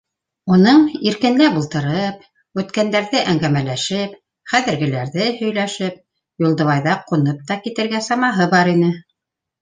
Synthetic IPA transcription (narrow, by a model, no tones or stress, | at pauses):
unɤɴiɾkɘ̆nd̪æbulˠt̪ɤ̆ɾɤp̚ | ʉt̪kænd̪æɾðɘʔæŋɡæmælæʃɘp | χæðɘ̆ɾɡɘ̆læɾðɘhɵ̆jlæʃɘp̚ | julˠd̪ɤ̆βɑjðɑqunɤp̚t̪ɑkit̪ɘ̆ɾɡæsɑmɑɦɤbɑɾinɘ